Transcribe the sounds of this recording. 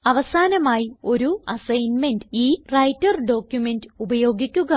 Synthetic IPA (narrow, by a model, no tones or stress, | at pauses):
ɐʋɐsaːnɐmaːjio̞ɾuɐsɐjnme̞ndɨiːrɐjtːɐrɖo̞ːkjume̞ndɨubɐjo̞ːɡikʲːuɣɐ